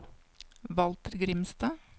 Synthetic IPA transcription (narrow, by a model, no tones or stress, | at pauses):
ʋɑlt̪əɾɡɾɪmst̪ɑː